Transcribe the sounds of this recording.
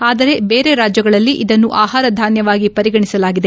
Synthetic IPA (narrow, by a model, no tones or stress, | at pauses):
aːd̪ɐɾe̞be̞ːɾe̞ɾaːd͡ʒjɐɡɐɭɐlːiʔid̪ɐnːuʔaːɦaːɾɐd̪ʱaːnjɐʋaːɡipɐɾiɡɐɳisɐlaːɡid̪e̞